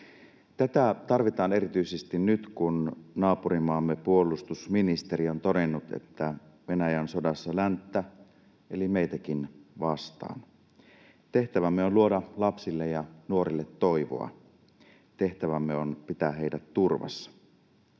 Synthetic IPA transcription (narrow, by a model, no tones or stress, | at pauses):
t̪æt̪æt̪ɑrʋit̪ɑːne̞rit̪yisest̪innyt̪kunnɑːpurimɑːmːepuo̞lˑust̪usminist̪eɾiont̪o̞de̞nːut̪ḛt̪ːæʋe̞næjænso̞dɑsːɑlænt̪ːæ | elimejt̪æk̟inʋɑst̪ɑ̰ːn | t̪e̞ht̪æʋæmːeonluodɑlɑpsilːejɑnuo̞ɾilːet̪ːo̞jʋo̰ɑ̰ | t̪e̞ht̪æʋæmːeonpit̪æɦe̞idæt̪ːurʋɑ̰sːɑ̥